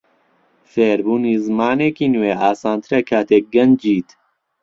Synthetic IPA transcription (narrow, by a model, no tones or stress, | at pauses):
feːɾbuːniːzmaːneːkiːnweːaːsaːnt̪ʰɨɾɐkʰaːt̪ʰeːk̚ɡɐnd͡ʒiːt̪